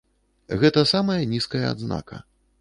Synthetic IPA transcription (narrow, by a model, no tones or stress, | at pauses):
ɣɛt̪ɐsamɐjɐnʲiskɐjɐa̰d̪zna̰kʰɐ̰